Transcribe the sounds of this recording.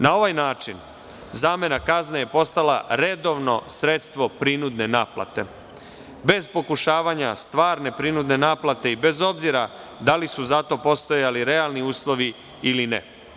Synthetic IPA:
nao̞ʋajnaːt͡ʃin | zaːme̞nakazneje̞po̞st̪ala̰ɾe̞d̪o̞ʋno̞sɾet̪st̪ʋo̞pɾinud̪ne̞naːpla̰t̪e̞̰ | be̞zpo̞kuʃaːʋaɲast̪ʋaːɾne̞pɾinud̪ne̞naːplat̪e̞ibe̞zo̞bziɾa | d̪alisuzat̪o̞po̞st̪o̞jaliɾe̞alˠniuːslˠo̞ʋi | ilinḛ

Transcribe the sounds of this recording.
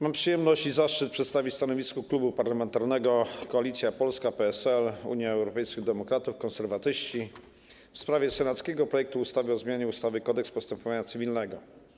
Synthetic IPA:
mampʂɨjɛmnɔɕt͡ɕizaʂt͡ʂɘt̪̚pʂɛt̪st̪avʲit͡ɕst̪anɔvʲiskɔklubupaɾlamɛnt̪aɾnɛɡɔkɔalʲit̪sʲjapɔlskapɛɛsɛlṵɲjaɛwɾɔpɛjskʲiɣd̪ɛmɔkɾat̪ufkɔ̃nsɛɾvat̪ɘɕt͡ɕi | fspɾavʲjɛsɛnat̪skʲɛɡɔpɾɔjɛk̚t̪uust̪avʲəɔzmʲjaɲɛust̪avɘkɔd̪ɛkspɔst̪ɛmpɔvaɲat̪sɘvʲilnɛɡɔ

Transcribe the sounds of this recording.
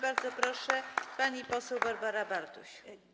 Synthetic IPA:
baɾd̪zɔpɾɔʂɛpaɲipɔsɛwbaɾbaɾabaɾt̪uɕ

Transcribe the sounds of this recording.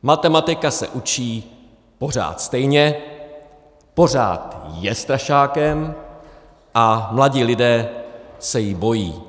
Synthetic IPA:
mat̪ɛmat̪ɪkasɛ̰ʔut͡ʃiː | po̞r̝a̰ːt̪st̪ɛjɲɛ | po̞r̝a̰ːt̪jɛst̪ɾaʃaːkɛm | ʔamlaɟiːlɪdɛːsɛjɪbo̞jiː

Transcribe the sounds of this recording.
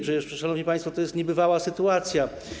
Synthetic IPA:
pʂɛɛʂʂanɔvɲipaj̃st̪fɔt̪ɔjɛst̪ɲɛbɘvawasɘt̪uat̪sʲja

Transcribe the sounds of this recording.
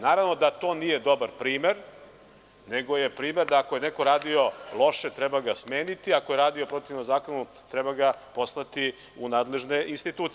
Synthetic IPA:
naːɾaʋno̞d̪at̪o̞ːnije̞d̪o̞baɾpɾiːmeɾ | ne̞ɡo̞je̞pɾiːme̞ɾd̪aːkoje̞neko̞ɾaːd̪io̞lˠo̞ʃe̞t̪ɾɛbaɡasmeːnit̪iako̞jeɾaːd̪io̞pɾo̞t̪ivnomzaːko̞nu | t̪ɾɛbaɡapo̞snat̪i | unaːd̪le̞ʒne̞ʔinst̪it̪uːt̪

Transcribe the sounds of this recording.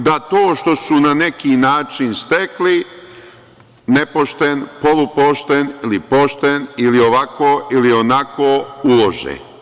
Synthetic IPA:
d̪at̪oːʃt̪o̞sunane̞kinaːt͡ʃinst̪ekli | nepoʃt̪enpo̞lupoʃt̪enilipo̞ʃt̪enilio̞ʋakoːʔilio̞nakoːulo̞ʒḛ

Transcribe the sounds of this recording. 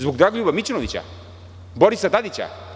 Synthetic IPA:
zbuɡd̪ɾaɡlʲubɐmit͡ʃinovit͡ʃa̰ | bɔɾisɐd̪ad̪it͡ʃa̰

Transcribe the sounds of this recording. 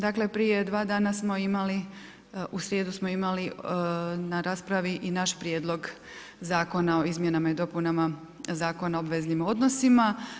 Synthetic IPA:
d̪akle̞pɾije̞d̪ʋaːd̪aːnasmo̞imali | usɾje̞ːd̪usmoimali | naɾaːspɾaʋiʔinaʃpɾjed̪lˠo̞ɡ | zaːko̞nao̞izmje̞namaid̪o̞punama | zaːko̞nao̞bʋe̞znimo̞d̪no̞sima

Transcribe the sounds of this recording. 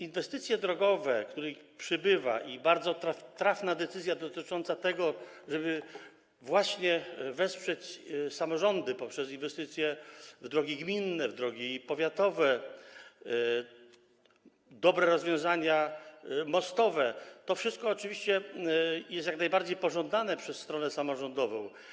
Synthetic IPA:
invɛst̪ɘt̪sʲjɛd̪ɾɔɡɔvɛkt̪uɾɛpʂɘbɘva̰ʔibaɾd̪zɔt̪ɾaft̪ɾafnad̪ɛt̪sɘzjad̪ɔt̪ɘt͡ʂɔnt̪sat̪ɛɡɔ | ʐɛbɘ | vwaɕɲɛvɛspʂɛt͡ɕsamɔʐɔnd̪ɘpɔpʂɛs̬invɛst̪ɘt̪sʲjɛvd̪ɾɔɡʲiɡmʲinːɛvd̪ɾɔɡʲipɔvʲjat̪ɔvɛ | d̪ɔbɾɛɾɔzvjɔ̃w̃zaɲa | mɔst̪ɔvɛt̪ɔfʂɘst̪̚kɔːt͡ʂɘvʲiɕt͡ɕɛjɛst̪jaknajbaɾd͡ʑejpɔʐɔnd̪anɛpʂɛsːt̪ɾɔnɛsamɔʐɔnd̪ɔvɔ̰̃w̃

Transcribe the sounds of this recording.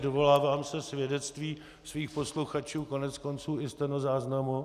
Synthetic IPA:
dovo̞laːvaːmsɛsvjɛdɛt͡st̪viː | sviːxpo̞sluxat͡ʃuːko̞nɛt͡sko̞nt͡suːɪst̪ɛnozaːznamu

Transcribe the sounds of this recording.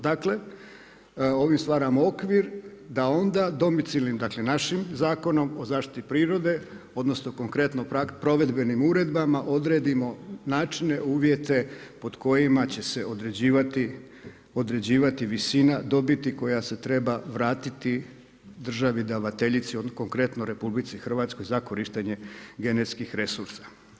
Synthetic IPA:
d̪akle̞ | o̞ʋimst̪ʋaːɾamoo̞kʋiɾd̪ao̞nd̪ad̪o̞mit̪silnimd̪akle̞naʃimzaːko̞no̞mozaːʃt̪i̥t̪ipɾiːɾo̞d̪e̞ | o̞d̪no̞snoko̞ŋkɾe̞t̪nopɾapɾo̞ʋe̞d̪be̞nimuːɾe̞d̪bamaʔo̞d̪ɾe̞ːd̪imo̞naːt͡ʃine̞uːʋje̞t̪e̞po̞d̪̥ko̞jimat͡ɕe̞se̞od̪ɾed͡ʑiːʋat̪i | o̞d̪ɾe̞d͡ʑiːʋat̪iʋisiːnad̪o̞bit̪iko̞jase̞t̪ɾe̞baʋɾaːt̪it̪i | d̪r̩ʒaʋid̪aʋat̪e̞ʎit̪sioko̞ŋkɾe̞t̪noɾe̞publit̪sixr̩ʋaːt̪sko̞jzako̞ɾiʃt̪eɲe̞ɡe̞net̪skixɾe̞suɾsḁ

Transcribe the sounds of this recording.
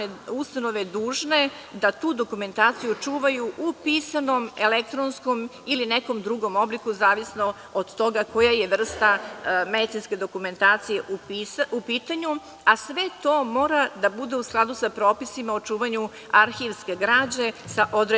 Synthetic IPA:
eust̪ano̞ʋed̪uːʒne̞ | d̪at̪uːd̪o̞kume̞nt̪aːt̪sijut͡ʂuːʋajuʔupiːsano̞me̞lek̚t̪ɾonsko̞m | ilineko̞md̪ɾuɡo̞mo̞blikuzaːʋisno | od̪t̪o̞ɡako̞jajeʋr̩st̪amed̪it̪inske̞d̪o̞kume̞nt̪aːt̪sijeʔupiupiːt̪aɲu | asʋe̞t̪o̞ːmo̞ːɾad̪abud̪e̞usklˠad̪usapɾo̞ːpisimaot͡ʃuːʋaɲu | aɾxiʋskeɡɾaːd͡ʑe̞saʔo̞d̪ɾe

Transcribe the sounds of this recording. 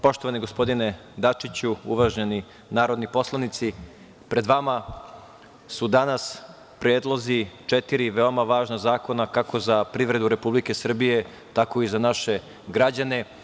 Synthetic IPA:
po̞ʃt̪oʋaniɡo̞spo̞d̪ine̞d̪at͡ʂit͡ɕuuʋaʒɲeni | naːɾo̞d̪nipo̞slˠanit̪si | pɾe̞d̪ʋama | sud̪anas | pɾjeːd̪lˠozit͡ʃet̪iɾiʋeo̞maʋaːʒnazaːko̞nakako̞zapɾiʋɾe̞d̪uɾe̞publike̞sr̩bije̞ | t̪ako̞izanaʃe̞ | ɡɾad͡ʑane̞

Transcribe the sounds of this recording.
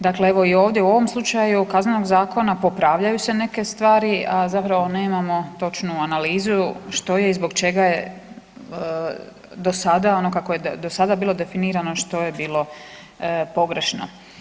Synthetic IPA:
d̪akle̞eʋo̞io̞ːʋd̪jeuo̞ʋo̞mslˠut͡ʃajukaznenoɡzaːko̞napo̞pɾaːʋʎajusene̞ke̞st̪ʋaːɾiʔazapɾaʋo̞ne̞ːmamo̞t̪o̞t͡ʃnuanaliːzuʃt̪o̞je̞izbo̞ɡt͡ʃe̞ɡaje | d̪o̞sad̪ao̞nokakoje̞d̪osad̪abiːlo̞d̪e̞finiːɾano̞ʃt̪o̞jebiːlˠo̞ | po̞ɡɾe̞ʃno̰

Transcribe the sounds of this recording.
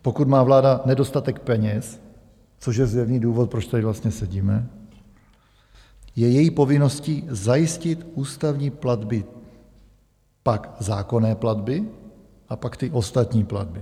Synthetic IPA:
po̞kut̪maːvlaːdanɛdo̞st̪at̪ɛkpɛɲɛs | t͡soʃjɛzjɛvniːduːvot̪̚pɾot͡ʃt̪adɪvlast̪ɲɛsɛɟiːmɛ | jɛjɛjipo̞vɪno̞sciːzajɪscɪt̪uːst̪avɲiːplad̪bɪ | pakzaːko̞nɛːplad̪bɪ | ʔapakt̪ɪʔo̞st̪at̪ɲiːpla̰d̪̚bɪ

